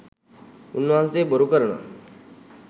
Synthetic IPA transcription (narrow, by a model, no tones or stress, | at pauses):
unʋãnt͡sebəɾukəɾɳə̰